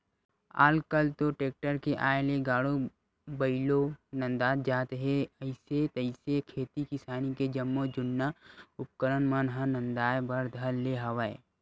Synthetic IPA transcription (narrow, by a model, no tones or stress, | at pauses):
a̰ːlkəlt̪oʈeːk̚ʈəɾkeʔaːeleɡaːɽo | bɐɪlonɐ̃nd̪aːd̪d͡ʒaːt̪ɦeɐɪset̪əɪsekʰeːt̪ikɪsaːniked͡ʒəmːod͡ʒʊnːaʊp̚kəɾənmənɦənə̃nd̪aːjbɐɾd̪ʱəlːeɦɐʋae